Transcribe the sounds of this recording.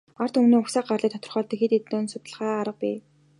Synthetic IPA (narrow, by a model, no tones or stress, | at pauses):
ar̥t̪umniːʊksaːɢarɮiːt̪ʰɔ̥t̪ɞ̆rχœːɮt̪ə̆xet̪et̪oːnsʊt̪ə̆ɮʁaːaɾə̆q̚piː